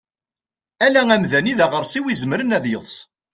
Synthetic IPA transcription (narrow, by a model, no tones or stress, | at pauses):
ælæŋæmðæniðæʁəɾˤsiwizəməɾənæðjəðˤs